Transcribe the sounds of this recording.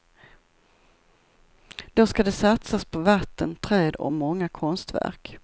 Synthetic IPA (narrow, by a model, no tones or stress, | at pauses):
d̪̥ɔskad̪ɛsat̪saspʰɔvat̪ːənt̪ʰɾøːd̪ɔ̰mɔŋːakʰɔnst̪væ̰ɾk